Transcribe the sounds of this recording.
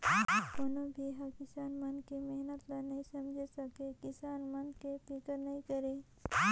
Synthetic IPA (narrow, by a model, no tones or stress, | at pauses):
koːnobʱiɦakɪsaːnmənkemeɦnət̪lanɐɦĩsɐmd͡ʒʱesɐkekɪsaːnmənkepɪkəɾnɐɦĩkəɾe